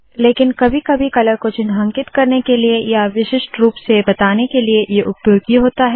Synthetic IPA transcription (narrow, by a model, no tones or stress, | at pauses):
leːkɪnkɐbʱikɐbʱikɐləɾkot͡ʃʊnɦə̃ŋkɪt̪kɐɾnekeliejaʋɪʃɪʃʈɾuːpsebɐt̪aːnekeliejeʔʊpjoːɡiɦoːt̪aɦɛː